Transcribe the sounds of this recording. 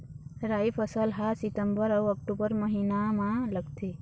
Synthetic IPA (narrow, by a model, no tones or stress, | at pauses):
ɾaifʰəsəlɦasit̪əmbəɾəwək̚ʈubəɾməɦinamãləɡt̪ʰe